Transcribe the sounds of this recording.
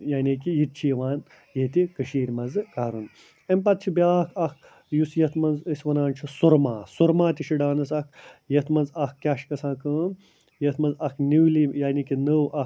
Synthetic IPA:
jaːnikijit̪̚t͡ʃʰiːʋaːn | jet̪ikɐʃiːɾʲmɐzɨkaːɾun | ɐmʲpɐt̪̚t͡ʃʰibʲaːkʰɐk | jusjɐt̪ʰmɐnzəsʲʋɐnaːnt͡ʃʰusuɾmaːsuɾmaːt̪ʲiʃiɖaːnɐsɐk̚ʰjɐt̪mɐnzɐkkʲaːʃkɐsãːkɨm | jɐt̪mɐnzɐkniwlijaːnikinəwʔɐ

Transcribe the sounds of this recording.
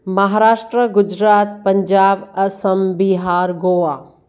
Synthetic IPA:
mɐɦaːɾaːʃʈɾəɡʊd͡ʒɾaːt̪̚pɐɲd͡ʒaːbɐsəmbiɦaːɾɡoːʋaː

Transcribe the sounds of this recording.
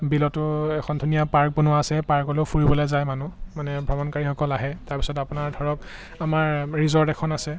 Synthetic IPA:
bilɔtʊɛkʰɔndʱunijapaɹk̚bunuaːsɛpaɹkɔleʊpʰuɹibɔlɔzajmanumanɛbʱɹɔmɔnkaɹixɔkɔlaɦɛtaɹpi̥sɔtapʊnaɹdʱɔɹɔk | amaɹɹizɔɹdɛkʰɔnasɛ

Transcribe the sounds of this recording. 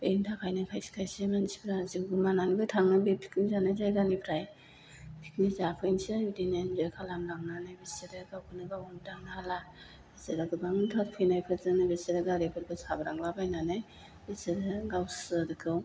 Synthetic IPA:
bḛjntʰakʰajnakʰajsi̥kʰajsemansi̥bʰɾaziɡɯmananɡɯtʰaŋnabepʰi̥knizanazajɡanipʰɾaj | pʰi̥k̚nizapʰɯjnseidinenzɔjkʰalamɾaŋnanajbeseɾɯɡawkʰɯnɯɡawandaŋnahala | b̥eseɾaɡɯbaŋɯntʰaɾpʰɯjnajpʰɯzɯnɯbeseɾɯɡaɾepʰɯɾbɯsabaɾaŋlabajnanɯj | beseɾɯɡawsɯdɯkʰɯw

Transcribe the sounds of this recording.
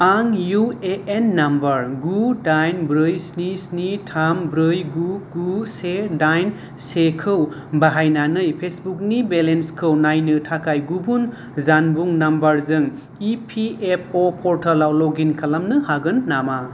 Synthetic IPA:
aŋjueenːambɐɾɡudajnbɾɯjsnisnitʰambɾɯjɡuɡusedajn | sekʰɯw | baɦajnanɯjpʰesbuk̚nibelenskʰɯwnajnɯtʰakajɡubun | zanbuŋnambɐɾzɯŋ | ipʰiep̚ʰopʰɔɾtʰɐlawloɡinkʰalamnɯhaɡɯnːama

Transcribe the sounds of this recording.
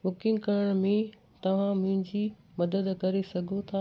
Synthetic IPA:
bʊkɪ̃ŋɡkɐɾəɽ̃mẽ | t̪ɐʋ̤ãmʊ̃ɦɪ̃ɲd͡ʑi | mɐd̪əd̪kɐɾesɐɡʱot̪ʰaː

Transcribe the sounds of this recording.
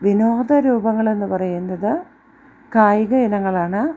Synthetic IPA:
ʋino̞ːd̪ɐɾuːbɐŋːɐɭe̞nːɨpɐrɐjunːɐðɨ | kaːjiɣɐjinɐŋːɐɭaːɳɨ

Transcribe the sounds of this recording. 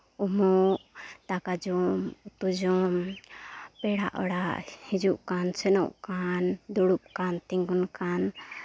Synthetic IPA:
umɔt̪akad͡ʒɔmut̪ud͡ʒɔm | pɛɽa̰ʔɔ̰ɽaʔhid͡ʒuʔkansɛnɔ̰wʔkand̪ɔɽup̚kant̪ɛŋɡunkan

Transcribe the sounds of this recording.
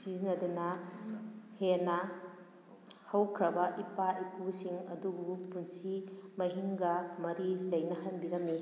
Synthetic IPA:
sizinɐdunɐ | henɐ | hɐwkʰɾɐbɐʔipaʔipusiŋɐ̰dubupunsimɐɦiŋɡɐmɐɾilɐjnɐɦɐnbiɾɐmːi

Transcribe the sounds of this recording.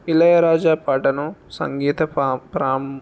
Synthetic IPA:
ilɐjɐɾaːd͡ʒaːpaːʈɐnusɐ̰ŋɡiːt̪ɐpɾaːm

